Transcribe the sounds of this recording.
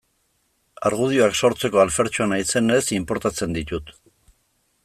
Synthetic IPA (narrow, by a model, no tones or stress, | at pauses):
aɾɣ̞uð̞ioakso̞ɾt͡se̞ko̞alfe̞ɾt͡ʃoanajse̞nesimpo̞ɾt̪at͡se̞nd̪it̪ut̪